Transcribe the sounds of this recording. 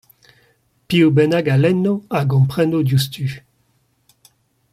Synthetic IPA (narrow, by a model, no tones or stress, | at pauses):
piubɛnaɡalɛnːoaɡɔ̃mpχɛnodjust̪ʰy